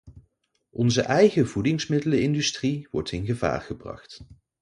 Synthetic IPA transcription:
ʔɔnzəʔɛjχəvudɪŋsmɪdələɪndystriʋɔ̰ɹtɪnχəva̰ːrχəbrɑ̰χt

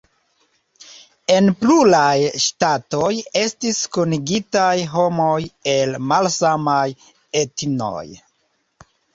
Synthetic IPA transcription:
e̞npluɾajʃtatoje̞stiskoniɡitajɦo̞moje̞lmalsamaj | etno̰j

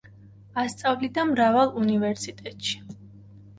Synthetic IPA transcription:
ast̪sʼavlid̪amɾavalˠunivɛɾsit̪ʼɛt̪ʼʃi̥

